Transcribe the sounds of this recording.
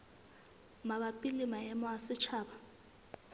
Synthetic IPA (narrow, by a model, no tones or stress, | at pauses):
maβapʼilimajɛmɔasɪt͡ʃʰaːɓa